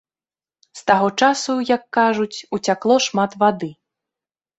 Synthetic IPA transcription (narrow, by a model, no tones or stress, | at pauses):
st̪aɣɔt͡ʂasujɐkːaʐut͡sʲut͡sʲaklˠɔʂmat̪vad̪ɨ